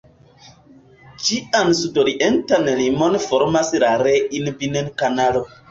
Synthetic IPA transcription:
t͡ʃiʔansudoɾiʔentanlimonfoɾmasɾaɾeinbinenkanalo

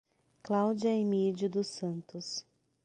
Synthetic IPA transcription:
klawd͡ʒjɐemid͡ʒud̪ʊsɐ̃nt̪ʊs

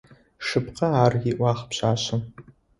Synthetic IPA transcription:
ʂɨpqɐaːriʔʷɑːχpɕaːɕɨm

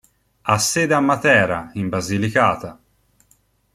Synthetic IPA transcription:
asːed̪amːat̪ɛːɾaimbazilikaːt̪a

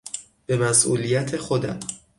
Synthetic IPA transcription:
b̥e̞mæsʔṵːlijæt̪ʰe̞xo̞d̪æm

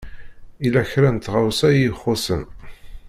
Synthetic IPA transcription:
ilæçɾænt̪ʁawsæjiχːʊsə̰n

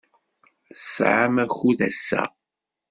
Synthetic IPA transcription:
θəsʕamæxuðæsːæ̰

